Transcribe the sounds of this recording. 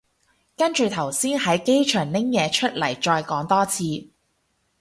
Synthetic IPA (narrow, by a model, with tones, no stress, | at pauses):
kɐ˥nt͡ʃy˨˧t̪ʰɐ˨˩wsiː˥nhɐ˨˥jke˥jt͡ʃʰœː˨˩ŋnɪ˥ŋjɛː˨˧t͡ʃʰɵ˥t̚lɐ˨˩jt͡ʃɔː˧jkɔː˨˥ŋt̪ɔː˥t͡sʰiː˧